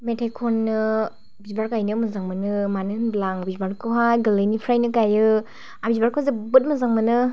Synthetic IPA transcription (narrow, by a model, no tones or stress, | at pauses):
metʰajkʰɔɾːɯ | bizbaɾkajnɯmɯzaŋmɯnɯmanɯnblaŋbizbaɾkʰɯɦajɡɯlɯjnipʰɾajnɯkajɯ | abizbaɾkʰɯhazebɯt̚mɐzaŋmɯnɯ